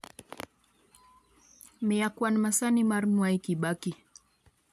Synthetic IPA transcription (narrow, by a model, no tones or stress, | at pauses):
mijakwanmasanimaɾmwaikiɓaki